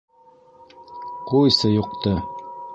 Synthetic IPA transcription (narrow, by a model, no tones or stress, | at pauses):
qujsɤjuq̚t̪ɤ